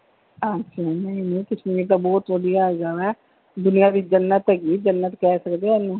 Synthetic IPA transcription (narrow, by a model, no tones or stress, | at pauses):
ãʃʰanəĩnə̃ĩk̪ɪsnẽet̪ãbɔːt̪ʋəd̪ijad͡ʒaːʋɛː | d̪ʊnijabit͡ʃd͡ʒənːət̪ɛɡiːd͡ʒənːət̪kɛːsəkd̪eːɛːnũː